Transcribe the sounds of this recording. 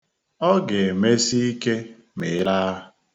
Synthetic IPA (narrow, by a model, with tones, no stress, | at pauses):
ɔ˦ɡe˨me˦si˦i˦ke˦ | me˨˦la˦